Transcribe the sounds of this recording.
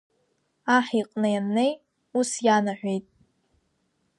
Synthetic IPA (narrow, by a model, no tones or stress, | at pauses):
aħiqʼnɨjanːej | usjanaħᶣʷejtʼ